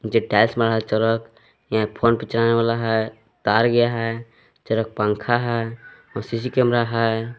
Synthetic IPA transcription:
d͡ʒeʈɛlsmeɾɦalt͡ʃəɾək | jãpʰonpit͡ʃɾaneʋalaɦɛ | t̪aɾɡəjaɦɛ | t͡ʃəɾək̚pãŋkʰaɦɛ | ɔsis̬ikɛmɾaɦɛ

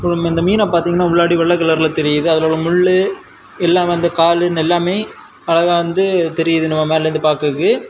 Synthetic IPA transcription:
plɯmɪnd̪ɐmiːnãpaːɾt̪iːŋɡɐnːaːʊɭːaːɽiʋɛɭːɐkɐlɐɾlɐt̪ɛɾɪjɐðɯɐðɐloːlɐmʊɭːɯ | ɛlːaːmnd̪ɯkaːlɯnɛlːaːmeː | ɐɭɐɣaʋɐnd̪ɯt̪ɛɾɪjɐðɯnɐmɐmeːlɐɾɯnd̪ɯpaːɾkɯkːɯ

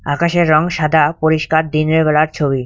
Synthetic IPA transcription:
akaʃeɾːɔŋʃad̪ʱapoɾiʃkaɾd̪inɾebɛlaɾt͡ɕʰobi

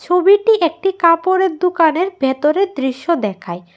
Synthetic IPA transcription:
t͡ɕʰobiʈiʔek̚ʈikapoɾeɾd̪ukaneɾbʱet̪oɾeɾd̪ɾiʃːod̪ɛkʰae

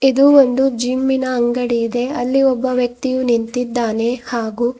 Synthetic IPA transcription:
id̪uond̪ud͡ʒimːinɐːŋɡɐɽiid̪e̞ɐlːiɔbːɐʋjɐk̚t̪ijunint̪id̪ːaːne̞haːɡuː

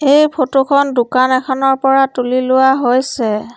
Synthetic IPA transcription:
ejpʰotokʰɔndukanɛkʰɔnɔɹpɔɹatulilʊwaɦojsɛ

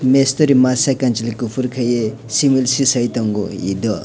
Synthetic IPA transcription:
mest̪oɾimasakant͡ʃilikupʰuɾkʰɐje | similsisɐjt̪ɔŋɡṵḭd̪ɔ

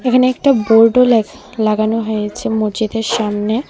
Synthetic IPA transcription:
ekʰaneɛk̚ʈaboɾɖolɛk | laɡanoɦojet͡ɕʰemod͡ʑid̪eɾʃamne

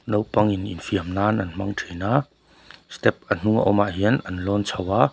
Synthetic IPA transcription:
nowpɐŋinḭnfiəmnaːnɐnm̥ɐŋtʰenaː | st̪ɛp̚an̥uŋa̰ʔɔmaʔɦiənɐnlɔnt͡sʰɐwa

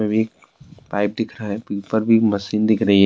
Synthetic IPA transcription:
ẽbʱiek̚ | paːɪp̚d̪ɪkʰɾɐɦaɦɛpiːpəɾbʱimɐsiːnd̪ɪkʰɾɐɦiɦ

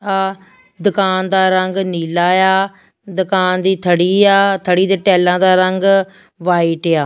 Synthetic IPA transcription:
aː | d̪ʊkaːnd̪aːɾəŋɡniːlaːjaː | d̪ʊkaːnd̪iːt̪ʰəɽiːjaːt̪ʰəɽiːd̪ɪʈɛːlãːd̪aːɾəŋɡ | ʋaːiːʈjaː

